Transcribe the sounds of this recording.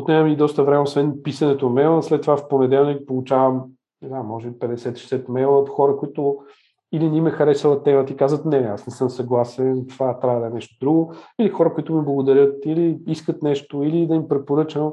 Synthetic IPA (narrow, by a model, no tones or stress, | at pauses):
ot̪nʲɛmid̪ɔst̪əvɾɛmɛosvɛnpisɐnɛt̪onɐmɛlˠəslɛt̪ːovafponɛd̪ɛlˠnik̚polˠut͡ʃavəm | sɐkamːɔʒɛbipɛd̪ɛsɛt̪i̥ʃɛ̥sɛt̪mɛlˠət̪xɔɾəkʊit̪ʊ | ilinimɛxɐɾɛsəvˠɐt̪ɛmət̪əikazət̪nɛasnɛsɤmsɐɡlˠasɛnt̪ovat̪ɾʲavəd̪ɐɛnɛʃt̪od̪ɾuɡʊilixɔɾəkoit̪ʊmiblˠɐɡod̪ɐɾʲjɤt̪iliiskət̪nɛʃt̪oilid̪ɐimpɾɛpoɾɤt͡ʃəno